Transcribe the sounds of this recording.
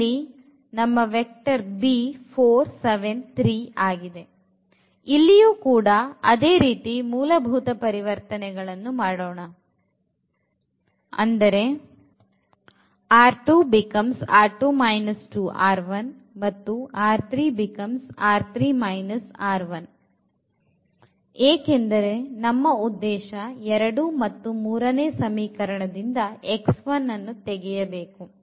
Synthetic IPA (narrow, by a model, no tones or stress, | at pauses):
i | nɐmːɐʋek̚ʈɐɾbipʰoːɾseʋent̪ʰɾiːaːɡid̪e̞ | ilːijuːkuːɽɐɐ̰d̪e̞ːɾiːt̪imuːlɐbʱuːt̪ɐpɐɾiʋɐɾt̪ɐnɛɡɐɭɐnːumaːɽoːɳɐ | ɐ̰nd̪ɐɾe̞ | aːɾʈuːbikɐmsaːɾʈumɐjnɐsʈuːʔaːɾʋɐn | mɐt̪ːuaːɾt̪ʰɾiːbikɐmsaːɾt̪ʰɾiːmɐjnɐsaːɾʋɐn | eːke̞nd̪ɐɾe̞nɐmːɐud̪ːɛːʃɐɛɾɐɽumɐt̪ːumuːɾɐneːsɐmiːkɐɾɐɳɐd̪ind̪ɐeksʋɐnːɐnːut̪eɡɛjɐbe̞ːku